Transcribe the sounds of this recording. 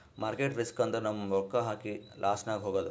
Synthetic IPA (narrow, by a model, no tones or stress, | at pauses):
mʔaːɾkeːʈɾiskɐnt̪ɐnɐmːɐɔkːɐɦaːkilʔaːsnaːɡɦoːɡɐːd̪u